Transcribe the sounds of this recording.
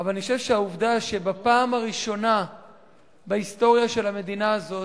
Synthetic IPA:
avalaniχoʃevʃeauvdaʃe̞bapaːmaʁiʃo̞na | beist̪o̞ʁjaʃe̞lhame̞d̪inaːzo̞

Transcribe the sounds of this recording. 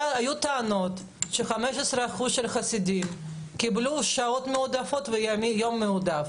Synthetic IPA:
ajut̪aano̞t̪ | ʃeχamɛʃesɾeaχuzʃelχasid̪im | kibluʃaot̪meud̪afot̪vejamijomːeud̪af

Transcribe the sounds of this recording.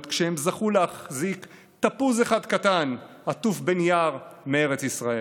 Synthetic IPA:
t̪kʃehemzaχulehaχzik | t̪apuzeχad̪kat̪an | at̪ufbenjaʁmeeʁet͡sisʁae

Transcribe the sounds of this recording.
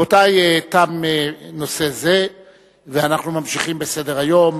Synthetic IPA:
otajetameno̞se̞ze̞ | veanaχnumamʃiχimbe̞se̞deʁajo̞m

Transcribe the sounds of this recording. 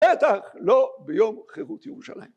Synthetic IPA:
et̪aχlobejomχeʁut̪jeʁuʃa̰la̰jim

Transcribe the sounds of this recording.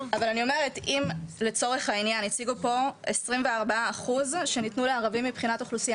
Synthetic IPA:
avalanio̞me̞ʁetimle̞t͡so̞ʁe̞χhainjanit͡siɡupo̞esʁimveaʁbaaːχuzʃe̞nitnuleaʁavimːipχinatoχlusia

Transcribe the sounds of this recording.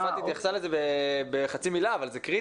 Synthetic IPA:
fat̪it̪jaχsalezebebeχat͡similaːvalzekʁi

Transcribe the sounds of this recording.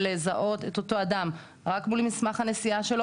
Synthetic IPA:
lezaʔo̞te̞to̞to̞adam | ʁakmulmismaχhane̞siaʃe̞lo

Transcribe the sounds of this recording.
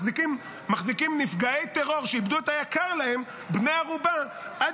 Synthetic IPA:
ikim | maχzikimnifɡaejt̪eʁo̞ʁʃeibd̪uet̪ajakaʁlahe̞m | bnejaʁuba | ʔa

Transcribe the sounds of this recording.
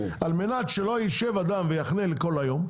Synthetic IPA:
almenatʃelo̞jiʃevad̪amvejaχneleko̞lajo̞m

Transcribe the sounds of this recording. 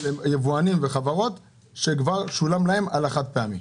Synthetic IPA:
ejevuanimveχavaʁo̞t̪ | ʃekvaʁʃulamlahe̞malaχat̪̚peamim

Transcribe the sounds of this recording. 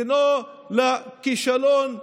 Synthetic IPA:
no | lakiʃalon

